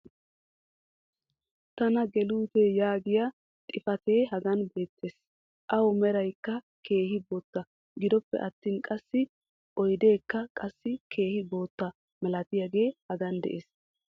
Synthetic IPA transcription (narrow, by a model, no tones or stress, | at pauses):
t̪ɐnɐɡɛluːt̪ejaːɡɪjɐ | t̪ʼɪfɐt̪e̞ːɦɐɡɐnbe̞ːt̪ːe̞ːs | ʔɐwɔmɛɾɐjkːɐ | kʰe̞ːhɪboːt̪ːɐ | ɡɪd̪ɔpːɛ̰ʔɐt̪ːiːnkʼɐsːɪ | ʔɔjd̪e̞ːkːɐkʼɐsːɪkʰe̞ːhɪbo̞ːt̪ːɐ | mɛlɐt̪ɪjaɡe̞ːhɐɡɐnd̪ɛ̰ʔeːs